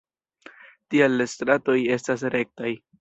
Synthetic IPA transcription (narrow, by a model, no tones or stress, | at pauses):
tialestɾato̞je̞stas̬ɾe̞k̚taj